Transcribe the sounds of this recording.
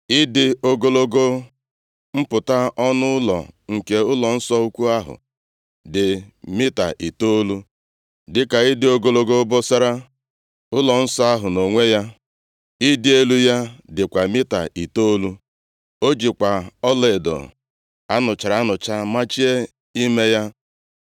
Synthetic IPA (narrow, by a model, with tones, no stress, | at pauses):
ɪ˦dɪ˦o˦ɡo˦lo˦ɡo˦ | m̩˦pʊ˨ta˦ɔ˦nʊ˦ʊ˦lɔ̰˨ŋ̩˨ke˦ʊ˦lɔ˨n̩˦sɔ˦u˦kʷu˦a˦ɦʊ̰˨ | dɪ˨mɪ˦ta̰˨ʔi˨to˦lu˦ | dɪ˦ka˨ɪ˦dɪ˨o˦ɡo˦lo˦ɡo˦bɔ˦sa˦ɾa˦ | ʊ˦lɔ˨n̩˦sɔ˦a˦ɦʊ˨no˨ŋʷe˦ja˦ | ɪ˦dɪ˦e˦lu˦ja˦dɪ˨kʷa˨mɪ˦ta̰˨ʔi˨to˦lu˦ | o˦d͡ʒi˨kʷa˨ɔ˦le˨dɔ̰˨ | a˦nʊ˨t͡ʃa˨ɾa˨˦nʊ˨t͡ʃa˦ma˦t͡ʃi˦e˦ | i˦me˦ja˦